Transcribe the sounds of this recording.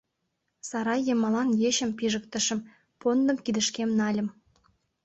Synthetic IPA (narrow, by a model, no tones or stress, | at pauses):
sɑɾɑjːemɑlɑnjeɕə̆mpiʒə̆kt̪ə̆ʃə̆m | pond̪ə̆mkid̪ə̆ʃkemnɑlʲə̆m